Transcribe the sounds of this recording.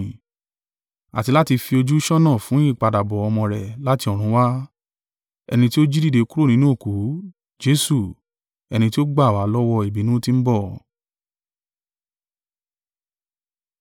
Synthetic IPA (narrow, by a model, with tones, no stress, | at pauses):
a̰˨ti˧la˦ti˧fi˧o˧d͡ʒu˦ʃɔ˦nɔ̃˦˨fũ˨˦ĩ˦˨k͡pa˧da˨bɔ˨ɔ˧mɔ̃˧ɾɛ˨la˦ti˧ɔ˨ɾ̃ũ˨˦wa˦ | ɛ̰˧nĩ˧ti˦o˦d͡ʒi˦di˦˨de˧˦ku˦ɾo˦˨nĩ˦nũ˦o˦˨ku˨˦ | d͡ʒe˦su˦˨ | ɛ˧nĩ˧ti˦o˦ɡ͡ba˦˨wa˨˦lɔ˦wɔ˧i˨bi˨˦nũ˦ti˦m̩˦bɔ˦˨